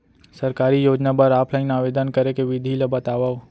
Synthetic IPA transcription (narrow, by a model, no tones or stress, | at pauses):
sɐɾkaːɾijoːd͡ʒnabɐɾaːpʰlaɪnaːʋeːd̪ənkɐɾekeʋɪd̪ʱilɐbɐt̪aːʋaʋ